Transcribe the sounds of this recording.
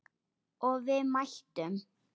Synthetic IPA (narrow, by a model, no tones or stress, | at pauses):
ɔɣvɪðmajl̥t̪ʏm